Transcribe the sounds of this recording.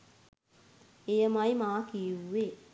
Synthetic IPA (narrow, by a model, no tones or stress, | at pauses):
ejəmajmaːkie